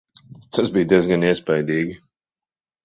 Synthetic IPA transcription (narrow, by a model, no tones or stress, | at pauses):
t̪ʰazbiːd̪iɛzɡaniɛspɛjd̪iːɡʲi